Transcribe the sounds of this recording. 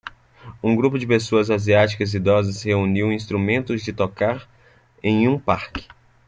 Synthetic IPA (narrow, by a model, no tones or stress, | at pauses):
ũɡɾupʊd͡ʒɪpesoɐzaziat͡ʃi̥kɐzid̪ɔzɐsheuniwĩst̪ɾumẽnt̪ʊzd͡ʒɪt̪okaɾ | ẽj̃ũpaɾkɪ̥